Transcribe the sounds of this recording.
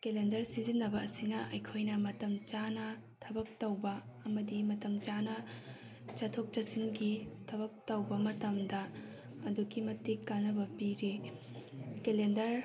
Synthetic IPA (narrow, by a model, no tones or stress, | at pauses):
kelendɐɾsizinːɐbɐɐsinɐʔɐjkʰojnɐmɐtɐmt͡ʃanɐ | tʰɐbɐk̚tɐwbɐː | mɐdimɐtɐmt͡ʃanɐ | t͡ʃɐtʰok̚t͡ʃɐsinɡitʰɐβɐk̚tɐwbɐmɐtɐmdɐ | ɐduɡimɐtikːanːɐbɐpiɾe | kelendɐɾ